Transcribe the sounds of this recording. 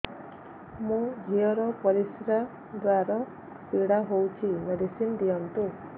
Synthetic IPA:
mũd͡ʒʱiɔɾɔpɔɾisɾa | d̪waɾɔ | piɽaɦowt͡ʃʰimed̪isind̪ijɔnt̪u

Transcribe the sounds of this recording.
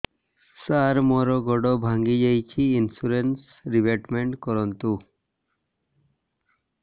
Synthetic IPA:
saɾmɔɾɔɡɔɖɔbʱaŋɡid͡ʑajt͡ɕʰiinsuɾens | ɾibeʈmeɳʈkɔɾɔnt̪u

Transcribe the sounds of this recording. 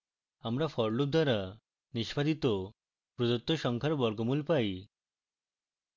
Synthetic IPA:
amɾafɔɾlub̚d̪ʱaɾa | niʃpad̪it̪o | pɾodot̪ːoʃɔŋkʰaɾbɔɾɡɔmulpaj

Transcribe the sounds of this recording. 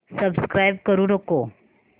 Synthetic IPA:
səbskɾajb̚kəɾuːnəko

